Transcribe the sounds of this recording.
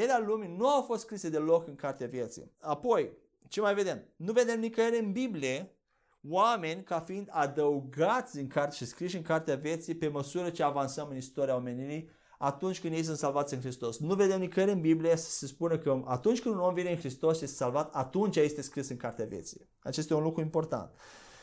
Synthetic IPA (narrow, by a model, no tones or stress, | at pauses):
elealuminuawfost̪skɾise̞d̪e̞lo̞kɨŋkart̪eavje̞t̪sḭjapo̞j | t͡ʃe̞majve̞d̪e̞mnuve̞d̪e̞mnikəjeɾeɨnbiblije̞ | wame̞nʲkafiind̪ad̪əuɡat̪sʲɨŋkart̪ʃiskɾiʃɨŋkart̪eavje̞t̪sijpe̞məsuɾət͡ʃeavansəmɨnist̪o̞ɾiao̞me̞niɾi | at̪unt͡ʃʲkɨnd̪je̞js̬ɨnt̪salvat̪sʲɨnxɾist̪o̞snuve̞d̪e̞mnikəɾeɨnbiblijesə̥sespunəkəʔat̪unt͡ʃkɨnd̪uno̞mvine̞ɨnxɾist̪o̞sje̞st̪esalvat̪at̪unt͡ʃaje̞st̪e̞skɾisɨŋkart̪eavjḛt̪sḭj | a̰t͡ʃe̞st̪ajeunlukɾuimpo̞rt̪a̰nt̪